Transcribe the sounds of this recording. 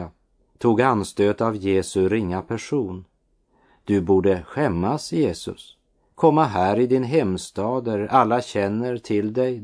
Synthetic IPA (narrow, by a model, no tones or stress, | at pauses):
a | t̪ʰuːɡanst̪øːt̪avjeːsɵɾɪŋːapʰæʂuːn | d̪̥ɵbuːɖəɧɛmːasjeːsɵ̰s | kʰɔmːaɦæːɾɪd̪ɪnɦɛmst̪ɑːd̪əɾalːaɕɛnːəɾt̪ʰɪld̪ɛj